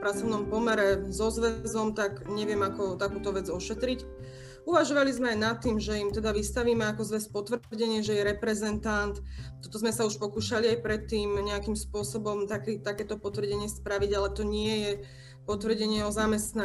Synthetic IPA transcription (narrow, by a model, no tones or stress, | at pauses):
pɾat͡sɔʋnɔmpɔmɛɾɛzɔzʋɛzɔmt̪akɲɛʋɪɛmakɔt̪akuːt̪ɔʋɛd͡zɔʃɛt̪ɾic | uʋaʒɔʋalizmɛajnat̪ːiːmʒɛimt̪ɛd̪aʋist̪aʋiːmɛakɔzʋɛspɔt̪ʋr̩ɟɛɲɪɛʒɛjɛɾɛpɾɛzɛnt̪ant̪t̪ːɔt̪ɔzmɛsauʃpɔkuːʃaliajpɾɛt̪ːiːmɲɛakimspʊɔsɔbɔmt̪akit̪akɛːt̪ɔpɔt̪ʋr̩ɟɛɲɪɛspɾaʋiɟalɛt̪ɔɲɪɛjɛ | pɔt̪ʋr̩ɟɛɲɪɛɔzamɛst̪na